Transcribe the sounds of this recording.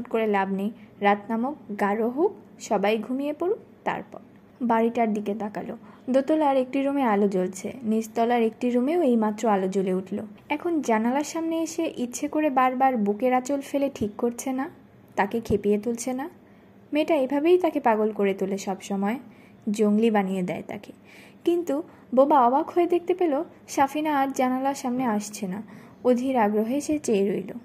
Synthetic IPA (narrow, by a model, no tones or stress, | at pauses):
ʈkoɾelabnejɾat̪namokɡaɾoɦok | ʃɔbajɡʱumijepoɾu | t̪a̰ɾpɔ̰ɾ | baɾiʈaɾd̪iked̪akalod̪ot̪olaɾek̚ʈiɾomealod͡ʑolt͡ɕʰḛnid͡ʑt̪ɔlaɾek̚ʈiɾomeoejmat̪ːɾoalod͡ʑoleuʈʰlo̰ɛkʰond͡ʑanalaɾʃamneeʃeʔitːɕʰekoɾebaɾbaɾbukeɾat͡ɕolfeleʈʰikːoɾt͡ɕʰena | t̪akekʰepijet̪ult͡ɕʰena | meʈaebʱabejt̪akepaɡolkoɾet̪uleʃɔbʃɔmɔe | d͡ʑoŋlibanijed̪ɛ̰et̪a̰ke | kint̪u | bobaɔbakʰhoed̪ek̚t̪epelo | ʃafinaaɾd͡ʑanalaɾʃamneaʃt͡ɕʰena | od̪ʱiɾaɡɾoɦeʃet͡ɕeɾojlo̰